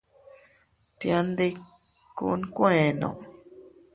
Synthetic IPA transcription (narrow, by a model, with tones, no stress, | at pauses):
t̪ja˧nd̪i˦ | kṵ˦˧˦nkʷẽ˦˨nõ̰˨